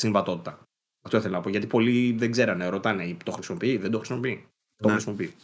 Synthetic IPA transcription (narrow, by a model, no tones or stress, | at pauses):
siɱvɐt̪o̞t̪i̥t̪ɐ | ɐft̪o̞iθelonɐpoʝɐt̪ipo̞liðeɡze̞ɾɐneɾo̞t̪ɐneit̪o̞xɾisimopiiðed̪o̞xɾisimo̞pii | t̪oxisimo̞pii